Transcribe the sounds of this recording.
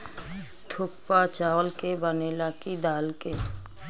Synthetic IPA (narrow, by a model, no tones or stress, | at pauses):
t̪ʰʊk̚pat͡ʃalkebənelakid̪aːlke